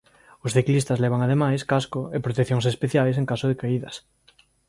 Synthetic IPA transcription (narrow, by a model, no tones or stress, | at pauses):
ʊsθiklist̪ɐzlɛβaŋaðemajskaskʊepɾot̪ekθjoŋsespeθjajs̬eŋkasʊðekaiðɐs